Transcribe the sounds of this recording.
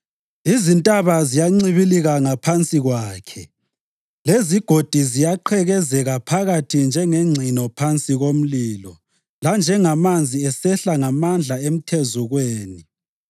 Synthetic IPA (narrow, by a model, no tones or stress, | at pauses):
izintʼaβazijaŋ͡ǀiβiliɣaŋapʰant͡sʼiɣwaːkʰɛ | leziɡ̥ʱod̥ʱizijaǃʰɛɣɛzɛɣapʰaɣatʰind͡ʒʱɛŋeŋ͡ǀʱinɔpʰant͡sʼiɣom̩liːlɔ | land͡ʒʱɛŋamand͡zʱiɛsɛɬaŋamand͡ɮʱaem̩tʰɛzuɣweːni